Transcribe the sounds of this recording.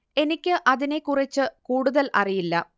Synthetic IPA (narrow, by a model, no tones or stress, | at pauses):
e̞nikʲːɨʔɐðine̞kːurit͡ɕːɨkuːɽuðɐlɐ̰rijilːɐ